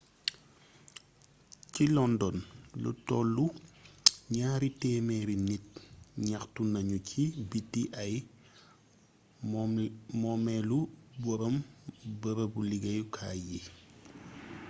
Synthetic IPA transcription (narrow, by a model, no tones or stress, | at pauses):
cilɔndɔnlṵtɔlːu | ɲaːɾitɛːmɛɾinit̚ɲaxtunɐɲucʰibitːiʔɐj | mɔmɛlubɔɾɔmbəɾɐbuliɡɐjukʰaːji